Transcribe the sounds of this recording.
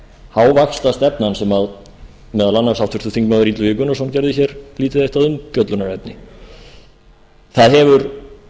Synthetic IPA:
hawvakslast̪ɛpnansɛmað | mɛðalanːḁsawt̪ʰʏ̥ɾ̥t̪ʏ̥θiŋkmaðʏɾiːt̪lʏvɪːkʏnɔsancɛɾðɪçɛɾliːt̪ɪðejht̪aðʏmt̪jɔt̪lʏnaɾɛpnɪ | θaðɦɛvʏɾ

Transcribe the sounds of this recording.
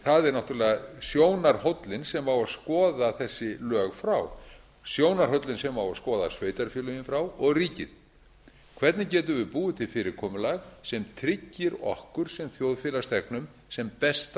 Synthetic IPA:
θaðɛɾnawht̪uɾlɛːɣasjoːwnaɾ̥howt̪lɪnsɛmawaðskɔːðaθɛsːɪlœːɣfɾaw | sjoːwnaɾ̥ɦœwt̪lɪnsɛmawaðskɔːða̰sveːjt̪aɾ̥fjʏlʏjɪnfɾawɔɣriːcɪ̰ð̥ | kʰvɛɾt̪nɪcɛːt̪̬ʏvɪpuːʏt̪ʰɪlfɪːɾɪkʰɔːmʏlaɣsɛmt̪ʰɾɪcːɪɾɔ̰hkʏɾ̥sɛmθjowðfɪːlast̪ʰɛknʏm | sɛmpɛst̪

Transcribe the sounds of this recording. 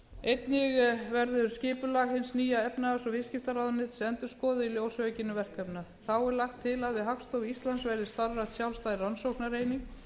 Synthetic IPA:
ejt̪nɪɣvɛɾðʏɾscɪːpʏlaɣhɪnsniːjaɛpnasɔvɪðscɪft̪aɾawðanːɪt̪sɛnt̪ʏɾ̥skɔːðɪiljowsœʏcɪnːʏvɛr̥kʰːœpnaðθawɛɾlaxt̪ʰːɪlaðvɪðɦakst̪owɣist̪lansvɛjɾðɪst̪aɾrat̪sjawlst̪aːjðransowhknaɾeːjniŋ

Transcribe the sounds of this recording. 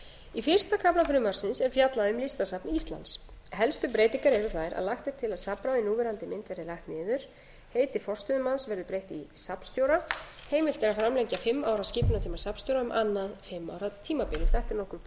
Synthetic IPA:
ifɪr̥st̪akʰaplafɾʏːmaɾ̥sɪnsɛɾ̥fjat̪laðʏmlɪst̪asapnɪist̪la̰nshɛlst̪ʏp̬ɾeːjt̪iŋkaɾɛɾʏθaðɾa̰ðlaxt̪ɛɾ̥t̪ʰɪlaðsapɾaðɪnuːvɛɾant̪ɪmɪnt̪vɛɾðɪlaht̪nɪːðʏɾ̥ | heːjt̪ɪfɔr̥st̪ʏðʏmansvɛɾðʏpɾejht̪isapnst̪jowɾa | heːjmɪlt̪ɛɾafɾamlɛɲcafɪmːaːwɾaðsciːpʏnat̪ʰiːmasapnst̪jowɾaʏmʔanːaðfɪmːa̰ːwɾat̪ʰiːmapɪnʏɾ̥θɛht̪ɛɾnɔhkʏɾ

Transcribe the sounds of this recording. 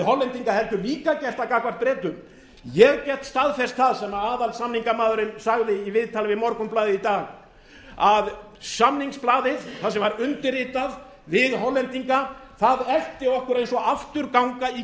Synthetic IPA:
hɔlɛnt̪iŋkahɛlt̪ʏliːkacɛr̥t̪akakvar̥t̪̚pɾɛːt̪ʏm | jɛɣcɛht̪st̪aðfɛst̪θaðsɛmaaːðalsamniŋkamaːðʏɾɪnsaɣðɪivɪðt̪ʰalɪvɪmɔɾkʏmplaːðɪðit̪aːɣ | að | samniŋksplaːðɪðθaðsɛmvaɾʏnt̪ɪrɪːt̪að | vɪðɦɔlɛnt̪iŋka | θaðɛl̥t̪ɪɔhkʏɾejnsɔaft̪ʏɾkawŋkai

